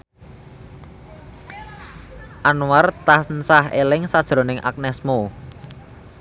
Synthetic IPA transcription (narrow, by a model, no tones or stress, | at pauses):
ʔanuwart̪asnsahḛlɪŋsad̥ʒ̥ɾo̤nɪŋʔa̰k̚nɛsmo